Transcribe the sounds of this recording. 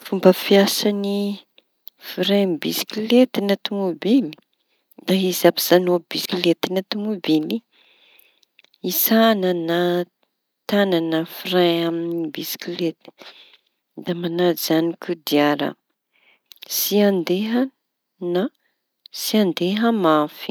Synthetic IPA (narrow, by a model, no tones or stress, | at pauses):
fumbəfiasani | fiɾabisi̥kilet̪inat̪umubili̥ | d̪̥aizapi̥z̥anobiskilet̪inat̪umubili | isanəna | t̪ananəfirajamnibisi̥kilet̪i̥ | d̪amanad͡zzanikʰud̪iaɾə̰ | siand̪eɦə | na | siand̪eɦəmafi̥